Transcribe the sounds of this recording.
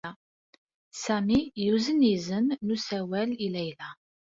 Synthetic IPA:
sæmijuzənizənːusæwælilæjlæ

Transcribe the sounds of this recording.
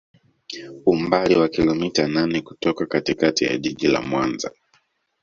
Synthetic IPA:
umbaliwakilɔmitananɛku̥tɔkakatikatija̰ʄiʄila̰mwanza̰

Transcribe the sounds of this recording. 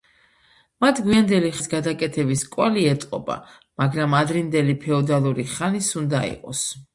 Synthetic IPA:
mat̪ʰɡwiand̪ɛliχsɡad̪akʼɛt̪ʰɛbiskʼwaliɛt̪sʼqʼɔba̰ | maɡɾamad̪ɾind̪ɛlipʰɛɔd̪alˠuɾiχanisund̪aḭqʼɔs

